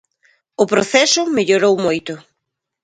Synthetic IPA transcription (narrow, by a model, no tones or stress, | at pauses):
ʊpɾoθɛsʊmeʎoɾowmojt̪ʊ